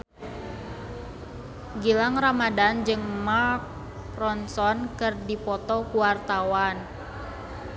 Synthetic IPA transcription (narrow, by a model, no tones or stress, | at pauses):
ɡilaŋramadand͡ʒɨŋmark̚ | prɔnsɔnkɨrdipɔt̪ɔkuwart̪awan